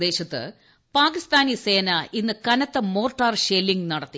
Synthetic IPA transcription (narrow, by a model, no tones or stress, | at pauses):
d̪e̞ːɕɐt̪ːɨ̰ | paːkist̪aːnise̞ːnɐinːɨkɐnɐt̪ːɐmo̞ːrʈːaːrɕeːlːiŋɡnɐɽɐt̪ːi